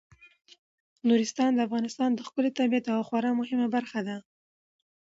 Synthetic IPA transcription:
nuɾɪst̪ɑnd̪əafɣɑnɪst̪ɑnd̪əxkʊlet̪abiat̪awxwaɾɑmʊhɪmabaɾxad̪a

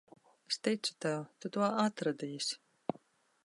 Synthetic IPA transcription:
st̪ɛjt̪sɨ̥t̪awt̪ut̪uɔat̪ɾad̪ijsʲ

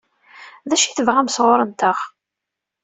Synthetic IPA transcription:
ðæʃiθəvʁæmsʁoɾˤənt̪əχ

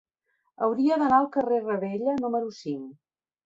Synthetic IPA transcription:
ə̰wɾiəðənaəlˠkərerəβeʎənuməɾusiŋ

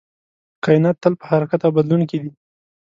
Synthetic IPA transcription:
qɑjɪnat̪ːəlpə̥haɾakat̪awbad̪lunkid̪i

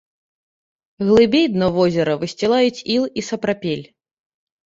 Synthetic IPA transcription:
ɣlˠɨbʲejd̪nɔvɔzʲɛɾɐvɨsʲt͡sʲɛlˠajut͡sʲilˠisɐpɾapʲelʲ

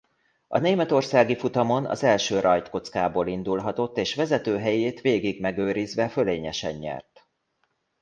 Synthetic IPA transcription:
ɒ̰neːmɛt̪o̞rsaːɡifut̪ɒmo̞nɒ̰zɛlʃøːrʔɒjt̪ko̞t̪skaːboːlind̪ulɦɒt̪o̞t̪ːeːʃʋɛzɛt̪øːɦɛjeːt̪ʋeːɡiɡmɛɡøːɾizʋɛføleːɲɛʃɛɲːɛ̰rt̪

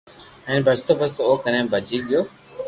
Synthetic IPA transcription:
ɛ̃ːnbʱəst̪oːbət̪oːkənẽːbʱəd͡ʒiːɠɪjoː

